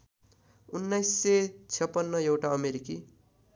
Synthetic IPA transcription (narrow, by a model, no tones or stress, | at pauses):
unːajsːet͡sʰjʌpːʌnːʌjewʈaʌmeɾiki